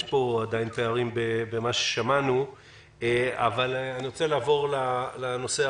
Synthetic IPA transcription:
ʃpo̞ad̪ajnpeaʁimbebemaʃe̥ʃamanu | ea̰valaniʁo̞t͡selaːvo̞ʁlalano̞se

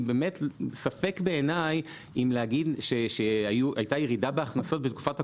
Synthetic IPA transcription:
beːmetsafe̞kbe̞ːnaj | imlehaɡidʃeʃeajuʔajtajeʁidabeaχnaso̞t̚betku̥fatha

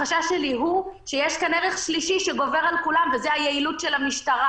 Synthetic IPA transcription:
aʃaʃeliɦuʃejeʃkaneʁeχʃliʃiʃeɡo̞veʁalkulamvezeajeilutʃelamiʃtaʁa

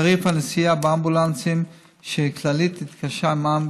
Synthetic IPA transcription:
ʁifhanesijabeambulant͡sim | ʃeklalit̪ːit̪kaʃamam

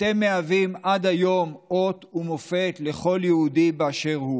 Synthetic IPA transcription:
temːeavimʔad̪ajo̞mʔo̞t̪umofe̞t̪le̞χo̞ljeud̪ibeaʃe̞ʁhu

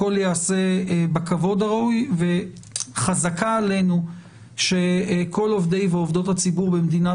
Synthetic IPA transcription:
o̞ljaːse̞bakavo̞d̪aʁaʔujve̞ | χazakaːle̞nu | ʃe̞ko̞lo̞vd̪e̞jveovd̪o̞t̪hat͡sibuʁbemd̪ina

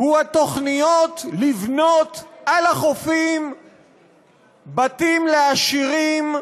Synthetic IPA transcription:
huat̪o̞χnijo̞t̪livno̞t̪ʔalaχofim | bat̪imleaʃiʁim

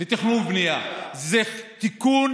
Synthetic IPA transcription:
et̪iχnumbnijazet̪ikun

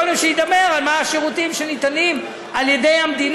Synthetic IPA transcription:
olimʃeid̪ame̞ʁalmaaʃeʁut̪imʃenit̪anim | ʔaljed̪ejamd̪in

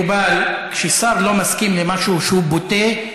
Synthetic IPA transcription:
balkʃesaʁlo̞maskimlemaʃuʃehubot̪e

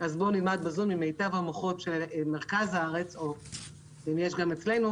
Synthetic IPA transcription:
ʔazbo̞nilmad̪̚bazumimːejtavhamoχo̞tʃelmeʁ̞kazhaaʁe̞t͡so | imjeʃɡamet͡sle̞nu

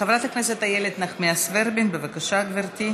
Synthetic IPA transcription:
evɾat̪aknɛset̪ajeled̪naχmiasveɾbinbevakaʃaɡviɾt̪i

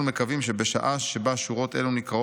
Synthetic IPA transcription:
ume̞kavimʃebeʃa̰ʔaʃebaʃuʁo̞t̪ʔe̞̰lunikʁa

